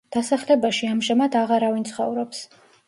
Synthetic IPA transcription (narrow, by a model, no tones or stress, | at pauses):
d̪̥asaχlɛbaʃiamʒamad̪aʁaɾavint̪sʰχɔ̰vɾɔps